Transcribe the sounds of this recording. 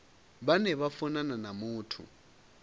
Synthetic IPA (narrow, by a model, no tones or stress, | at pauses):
βanɛβafɔnananamuːtʰṵ